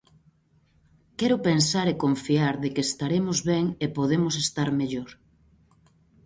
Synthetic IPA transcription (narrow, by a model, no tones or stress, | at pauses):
kɛɾʊpensaɾekoɱfiaɾðekeːst̪aɾemʊzβɛŋepoðemʊsest̪aɾmeʎoɾ